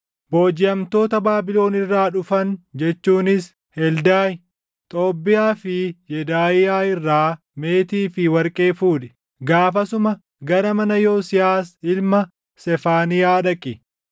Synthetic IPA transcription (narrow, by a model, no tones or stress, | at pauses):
boːd͡ʒɪɐmt̪o̞ːt̪ɐbaːbɪlo̞ːnɪrːaːᶑʊfɐnd͡ʒɛt͡ʃːuːnɪs | hɛld̪aːj | t̪ʼo̞ːbːɪjaːfɪjɛd̪aːjɪjaːɪrːaː | me̞ːt̪iːfɪwɐɾkʼe̞ːfuːᶑɛ̥ | ɡaːfɐsʊmɐ | ɡɐɾɐmɐnɐjoːsɪjaːsɪlmɐ | sɛfaːnɪjaːᶑɐkʼːɪ